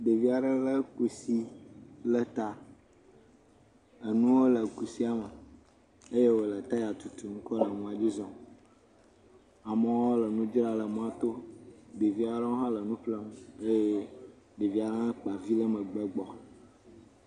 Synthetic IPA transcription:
ɖe˨vi˦a˨ɖə˦lə˦ku˨si˦lə˨t̪a˨ | ə˨nũ˦wo˦lə˨ku˨si˦a˨mə˨ | e˦je˦wo˨lə˨t̪a˦ja˨t̪u˨t̪u˨ŋ̩̃˦kɔ˦lə˨mũ˦a˨d͡ʑi˦zɔ̃˨ | a˨mə̃˨˦o˦lə˨nũ˦d͡ʒɾa˦lə˨mũ˦a˦t̪o˦ɖe˨vi˦a˨ɖə˦wo˦ɦã˦lə˨nũ˦ɸlə˦m˦e˦je˦ | ɖe˨vi˦a˨ɖə˦lə˦k͡pa˨vi˦lə˦mə˨ɡ͡bə˦ɡ͡bɔ˨

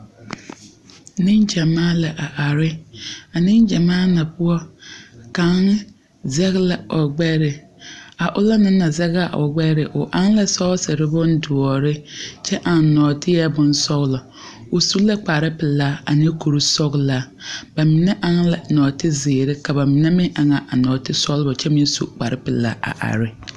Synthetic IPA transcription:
nɪ˦nd͡ʒa˨maː˦la˨ʔa˨ʔa˨ɾɪ˦a˨nɪ˦nd͡ʒa˨maː˦na˨pʊ˦ɔ˦ka˨˦ŋ˦ | zɛ˦ɣla˨ɔ˨ɡ͡bɛ˦ɾɪ˨ | a˨ʔʊ˦la˦nɪ˦na˨zɛ˦ɣa˨ʔɔ̰˨ɡ͡bɛ˦ɾɪ˨ʔʊ˨ʔa˦ŋla˦sɔ˦sɪ˨ɾɪ˦bʊ˦n˦du˨ɔ˨ɾɪ˦t͡ʃɛ˦ʔa˨n˨nɔː˨tɪ˦jɛ˦bʊ˦nsɔ˦ɣlɔ˨ | ʊ˨su˦la˦k͡pa˨ɾɪ˦pɪ˨la˦a̰˨nɪ˦ko˨ɾu˦sɔ˦ɡla˦ | ba˨mɪ˨nɛ˦ʔa˦ŋla˨nɔː˨tɪ˦zɪː˨ɾɪ˦ka˨ba˨mɪ˨nɛ˦mɪ˦ŋʔa˨ŋa˨ʔa˨nɔː˨tɪ˦sɔ˦lbɔ˨t͡ʃɛ˦mɪ˦n˦sṵ˦ʔk͡pa˨ɾɪ˦pɪ˨la̰˦a̰˨ʔa̰˨ɾɪ˦

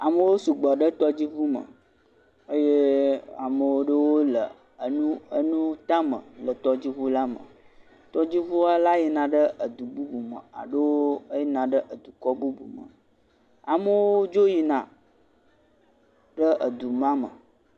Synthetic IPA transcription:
a˨mə̃˦˨wo˦su˨ɡ͡bɔ˨ɖə˦t̪ɔ˦d͡ʑi˦vu˦mə̰̃˨ | ə˦je˦a̰˨mə˨wo˦ɖə˦wo˦lə˨˦ | nũ˦ə˦nũ˦t̪a˦mə̰̃˨lə˨t̪ɔ˦d͡ʑi˦βu˦la˦mə̰̃˨ | t̪ɔ˦d͡ʑi˦vu˦a˦la˦je˨nã˨ɖə˦ʔə˨d̪u˨bu˦bu˨mə̰˨a̰˨ɖə˦wo˦ə˦je˦nã˨ɖə˦ʔə˨d̪u˨kɔ˦bu˦bṵ˨mə̰˨ | a˨mə˦woo˦o˦d͡ʒo˦ji˨nã̰˨ | ɖə˦ʔə˨d̪u˨mã˦mə̰˨

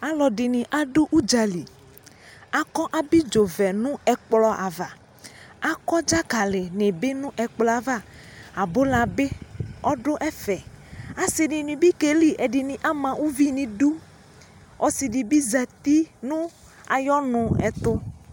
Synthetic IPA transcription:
a˦lɔ˨ɖɪ˨nɪ̃˨ʔa˦ɖo˦ʔu˦d͡ʒa˨li˨ | a˨kɔ˦ʔa˨bi˦d͡ʒo˨vɛ˨nũ˦ɛ˨k͡plɔ˨ʔa˨va˨ | a˦kɔ˦d͡ʒa˦ɡa˨lɪ˨nɪ̃˨be˦nũ˦ʔɛ˨k͡plɔ˨a˨va˦a˨bo˦la˨be˦ɔ˦ɖo˦ʔɛ˦fɛ˨a˨si˨nĩ˨nĩ˨bi˦ke˨li˦ʔɛ˨ɖɪ˨nĩ˨ʔa˦mã˨wu˦vi˦nĩ˨ɖu˦ | ɔ˨si˨ɖi˨bi˦za˨t̪i˦nũ˦ | a̰˨jɔ˦nʊ̃˨ɛ̰˨t̪ʊ˦

